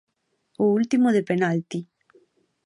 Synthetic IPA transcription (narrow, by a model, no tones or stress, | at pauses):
oult̪imoðepenalt̪i